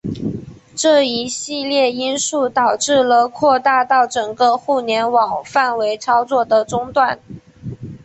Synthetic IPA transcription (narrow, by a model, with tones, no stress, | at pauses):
ʈ͡ʂɤ˥˩i˧˥ɕi˥˧ljɛ˥˩i˥nʂu˥˩t̪ɑ˨˩ʊʈ͡ʂɻ̩˥˩lə˩kʰwɔ˥˧t̪a˥˧t̪ɑ˥˩ʊʈ͡ʂɤ˨˩ŋɡə˦xu˥˩njɛ˧˥nwɑ˨˩ŋfa˥˩nwe˧˥ɪt͡sʰɑ˥ʊt͡swɔ˥˩d̪ə˩ʈ͡ʂʊ˥ŋt̪wa˥˩n